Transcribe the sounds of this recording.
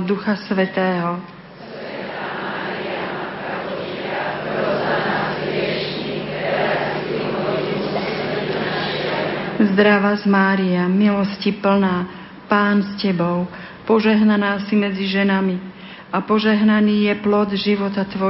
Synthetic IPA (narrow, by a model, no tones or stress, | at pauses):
d̪uxasʋɛt̪ɛːɦɔ | ɛʃ | zd̪ɾaʋazmaːɾiamilɔscipl̩naː | paːnscɛbɔʊ | pɔʒɛɦnanaːsimɛd͡ziʒɛnami | ʔapɔʒɛɦnaniːjɛplɔd̪ʒiʋɔt̪at̪ʋɔ